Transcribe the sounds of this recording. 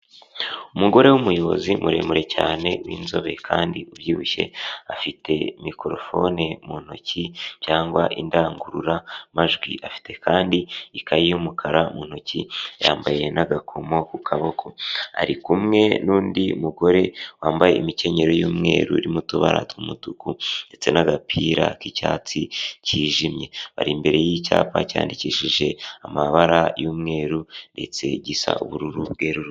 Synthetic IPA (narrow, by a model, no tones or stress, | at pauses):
umuɡo̞ɾe̞wumujo̞βo̞zimuɾe̞muɾe̞caːne̞wḭːnzo̞βe̞kʰaːndiubjiːβuce̞̰afite̞mikoɾo̞fo̞̰nemuno̞cicaːŋɡwaʔindaːŋɡuɾuɾamaʒɡwḭʔafi̥te̞kaːndiikʰajijumukʰaɾamuno̞cijaːmbaje̞naɡakʰomo̞kukʰaβo̞kʰo̞a̰ɾikumŋe̞nuːndiumuɡo̞ɾe̞waːmbajeimice̞ɲe̞ɾo̞juːmŋe̞̰ːɾṵiɾimutuβaɾa̰tumutukunde̞t͡se̞naɡapʰiːɾakicaːt͡siciːʒimje̞βa̰ɾimbe̞ɾe̞jica̰ːpaca̰ːndiciːʃiʒe̞amaβaɾajuːmŋe̞ːɾunde̞̰t͡se̞̰ɟisa̰uβuɾuɾubɡeɾuɾ